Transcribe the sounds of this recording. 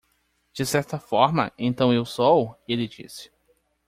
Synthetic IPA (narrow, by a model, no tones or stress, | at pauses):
d͡ʒɪsɛɾt̪ɐfɔɾmɐ̰ẽnt̪ɐ̃w̃ewsɔuelɪd͡ʒḭsɪ̥